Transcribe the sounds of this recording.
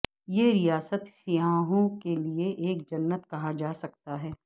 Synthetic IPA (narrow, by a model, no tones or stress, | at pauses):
jeɾijaːsət̪sɪjaːɦõkelieʔeːk̚d͡ʒɐnːət̪kɐɦad͡ʒaːsɐkt̪aɦɛː